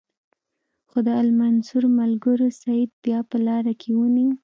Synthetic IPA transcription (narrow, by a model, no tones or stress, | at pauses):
xod̪əalmansuɾmalɡəɾosaid̪̚bjɑpəlɑɾakʰewuni